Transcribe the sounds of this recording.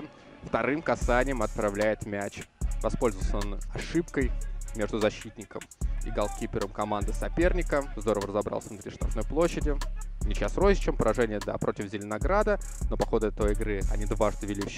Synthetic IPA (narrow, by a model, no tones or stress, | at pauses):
ft̪ɐɾɨmkɐsanʲɪjəmɐt̪̚pɾɐvlʲæjɪt̪mʲæt͡ɕvɐspo̞lʲzəvəlˠsəonɐʂɨp̚kəjmʲe̞ʐd̪ʊzɐɕːit̪ʲnʲɪkəmɪ̰ɡalˠkʲipʲɪɾəmkɐmand̪ɨsɐpʲernʲɪkəzd̪o̞ɾəvəɾəzɐbɾa̰lˠsʲənʊt̪ɾʲiʂt̪ɾɐ̰fnojplˠo̞ɕːɪdʲɪnʲɪt͡ɕasrozʲɪt͡ɕəmpəɾʔɐʐɛnʲɪjəd̪a̰pɾʔo̞tʲɪvzʲɪlʲɪnɐɡɾad̪əno̞pɐxo̞d̪ʊɛt̪ojɪɡɾɨɐ̰nʲid̪vaʐd̪əvʲɪlʲifɕ